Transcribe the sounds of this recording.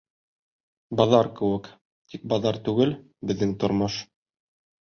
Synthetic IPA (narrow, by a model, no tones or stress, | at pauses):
bɑðɑɾkɘ̆wɘk | t̪ik̚bɑðɑɾt̪ʉɡɘl | bɘ̆ðːɘŋt̪ŏɾmɤʃ